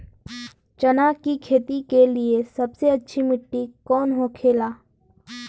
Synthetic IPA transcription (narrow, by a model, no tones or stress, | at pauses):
t͡ʃɐnaːkikʰeːt̪ikeliesɐbseɐtːʃʰimɪʈːikɔːnɦokʰeːlaː